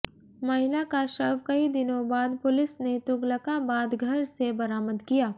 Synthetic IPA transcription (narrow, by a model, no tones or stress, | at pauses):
mɐɦɪlakaʃɐbkɐid̪ɪnõbaːd̪pʊlɪsnet̪ʊɡləkabaːd̪ɡʱɐɾsebɐɾaːməd̪kijaː